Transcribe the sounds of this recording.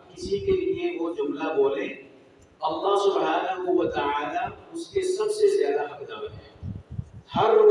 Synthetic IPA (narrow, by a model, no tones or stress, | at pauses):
kɪsikelieʋod͡ʒʊmlaboːlẽː | ɐlːɑɦsʊbɦaːnəɦuʋɐt̪əaːlaʊskesɐbsezjaːd̪aɐkzəbɦɛ̃ː | hɐɾːʊ